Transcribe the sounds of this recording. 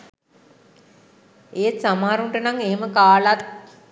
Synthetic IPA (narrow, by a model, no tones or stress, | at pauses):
eːt̪samaːɾuɳʈənaŋeɦeməkaːlat̪̚